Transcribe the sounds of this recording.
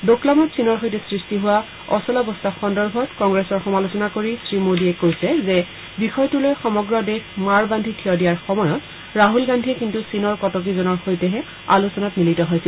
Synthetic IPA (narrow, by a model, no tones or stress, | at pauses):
doklamɔtsinɔɹɦojtɛsɹistiɦʊwa | ɔsɔlɔbɔstaxɔndɔɹbʱɔtkɔŋɡɹesɔɹxɔmalusɔnakoɹisɹimodiɛkojsɛzɛ | bixɔjɔtulojxɔmɔɡɹɔdexmaɹbandʱikʰijɔdijaɹxɔmɔjɔt | ɹaɦulɡandʱiɛkintusinɔɹkɔtɔk̬izɔnɔɹxojtɛɦɛ | a̰lusɔnatmilitɔɦojsil